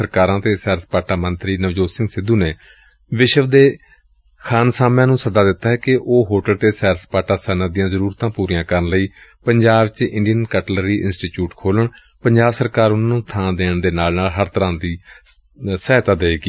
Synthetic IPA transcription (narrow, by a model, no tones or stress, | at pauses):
əɾkaːɾãːt̪eːsɛːɾspaːʈaːmənt̪ɾiːnəʋd͡ʒoːsɪŋɡsɪd̪ːuːneː | ʋɪʃəʋd̪eː | kʰaːnsaːmjãːnũːsəd̪aːd̪ɪt̪ːaːɦɛːkɪʔoːɦoːʈəlt̪eːsɛːɾspaːʈaːsənad̪ɪjãːzəɾuːɾt̪ãːpuːɾijãːkəɾənləiːpəɲd͡ʒaːbt͡ʃɪ̃ɳɖijənkɛːʈlɾiːʔɪ̰nsʈiːʈjuːʈkʰoːləɳ | pəɲd͡ʒaːbsəɾkaːɾʊnãːnũːt̪ʰãːd̪eːɳd̪eːnaːlnaːlɦəɾt̪əɾãːnd̪iː | sɛːɦt̪aːd̪eːkiː